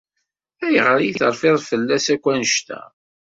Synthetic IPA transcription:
æjʁɾjiθəɾˤfɪðˤfəlːæsækʷːænəʃt̪æ̰

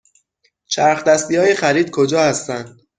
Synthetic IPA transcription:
t͡ʃʰæɾxd̪æst̪ihɒːjexæɾiːd̪̥̚kʰod͡ʒɒːhæst̪ænd̪̥

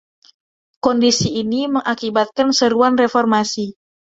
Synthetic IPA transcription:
kɔndisiːniməŋʔakibat̪̚kansəɾuanrefɔrmasi

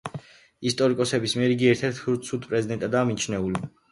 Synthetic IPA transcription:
ist̪ʼɔɾikʼɔsɛbismiɛɾiɡiɛɾt̪ʰɛɾt̪ʰuɾt̪sʰud̪pʼɾɛzid̪ɛnt̪ʼad̪aːmit͡ʃʰnɛuli

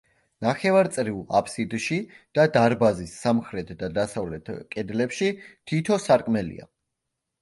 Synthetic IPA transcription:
naχɛvaɾt̪sʼɾiva̰pʰsid̪ʃid̪̥ad̪aɾbazisːamχɾɛt̪ʰd̪ad̪asavlɛt̪ʰkʼɛd̪lɛpʃit̪ʰit̪ʰɔsaɾkʼmɛlḭa̰

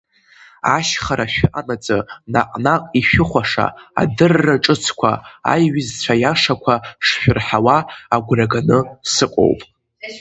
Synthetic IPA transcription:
aʃχaɾaʃᶣʊʔanat͡sʼɨnaqʼnaqʼiʃᶣʊχʷaʂa̰a̰dɨrːaʈ͡ʂʼɨt͡sʰkʷʰa̰a̰jɥɪzt͡ɕʷʰajaʂakʷʰaʂʃᶣʊrħawaaɡʷraɡanɨsɨqʷʼo̰wpʼ

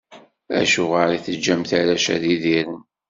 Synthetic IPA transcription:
æ̰ʃʊʁaɾiθəd͡ʒːæmθaɾæʃæ̰ðiðiɾən

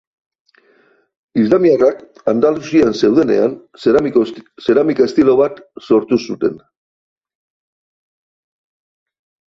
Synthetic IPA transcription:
izlamiarak | and̪alusianse̞wð̞e̞ne̞̰an | se̞ɾamikaest̪ilo̞βat̪so̞ɾt̪usut̪e̞n

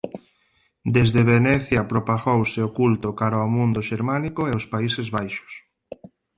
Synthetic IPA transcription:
d̪ezðeβenɛθjapɾopaɣowseokult̪okaɾaomũnd̪oʃeɾmanikoeʊspaisezβajʃʊ̥s

